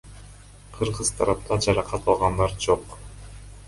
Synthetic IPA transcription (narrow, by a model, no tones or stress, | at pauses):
qʰɯɾʁɯz̥t̪ʰɑɾɑp̚t̪ʰɑd͡ʒɑɾɑqʰɑt̪ɑlˠʁɑnd̪ɑɾd͡ʒoq